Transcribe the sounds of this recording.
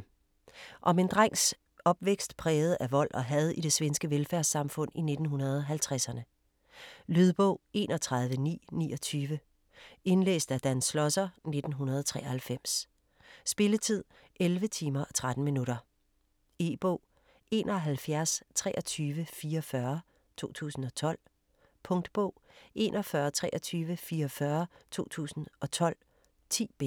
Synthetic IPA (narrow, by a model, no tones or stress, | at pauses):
ʔɒ̽me̝nd̥ʁaŋ̰s | ɒ̽b̥ʋeɡ̥sd̥pʰʁɛːʊð̩ˠæʋɒ̽l̰ʔɒ̽ɦæð̞ˠiɾ̥e̝sʋensɡ̥əʋelfæɐsɑ̈mfɔ̽n̰ine̝d̥n̩ɦunɐð̞ˠɒɦælt͡sʰʁasɐnə | lyð̞ˠb̥ɔ̰ʊ̰e̝̰ːnʔɒ̽t͡sʰʁɑ̈ðˠʋənḭːnḭːɒ̽t͡sʰyːʋə | e̝nlḛːsd̥æd̥ænsːlɒ̽sɐne̝d̥n̩ɦunɐð̞ˠɒt͡sʰʁɛ̰ːɐhælfem̰s | sb̥e̝lət͡sʰið̞̰ˠ | ʔelʋət͡sʰiːmɐʔɒt͡sʰʁad̥n̩minuɾɐ | e̝̰ːb̥ɔ̰ʊ̰ | e̝ːnʔɒɦælfjæɐst͡sʰʁɛ̰ːʔɒ̽t͡sʰyːʋəfiːɐfɶɐ | t͡sʰo̝̰ːt͡sʰṵːsn̩ɒ̽t͡sʰɒ̽l̰ | pʰɔ̽ŋd̥b̥ɔʊ̰ʔe̝̰ːnʔɒ̽fɶɐt͡sʰʁɛ̰ʔɒt͡sʰyːʋəfiːɐfɶɐt͡sʰo̝̰ːt͡sʰṵːsn̩ɒ̽t͡sʰɒ̽l̰ | t͡sʰḭːb̥e